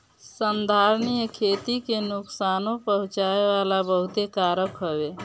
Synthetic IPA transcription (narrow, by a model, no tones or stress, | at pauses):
sənd̪ʱaɾnijkʰet̪ikenuksanopəɦũt͡ʃaeʋalabəɦut̪ekaɾəkɦoβe